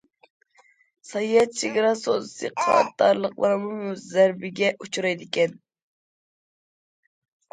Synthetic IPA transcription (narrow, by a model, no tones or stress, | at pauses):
sɑjiɛt̪̚t͡ʃʰeɡʲɑɾɑsozɨsɨ̰qʰɑ̰t̪ːɑ̰ɾlˠəqlˠɑ̰ɾmumuzæɾbɪɡʲɛʔut͡ʃʰuɾɑjd̪ɪkʲɛn